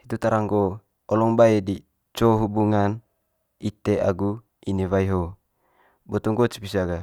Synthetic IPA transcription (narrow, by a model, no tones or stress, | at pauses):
hit̪ut̪aɾaŋɡo | ɔlɔŋbaedi | t͡ʃoɦubuŋan | it̪eʔa̰ɡu | iniwaiɦo | bɔt̪uŋɡot͡ʃbisaɡa